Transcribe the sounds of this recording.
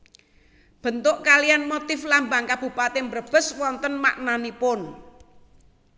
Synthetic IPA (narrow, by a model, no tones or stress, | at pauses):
b̥ə̤nt̪ʊʔkalijanmot̪ɪflambaŋkab̥ṳpat̪embɾəb̥ə̤swɔnt̪ənma̰ʔnanipʊn